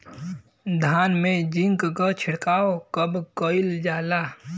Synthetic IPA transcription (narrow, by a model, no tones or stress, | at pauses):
d̪ʱaːnmẽd͡ʒɪ̃ŋkkət͡ʃʰɪɽkaːokəbkoɪld͡ʒaːlaː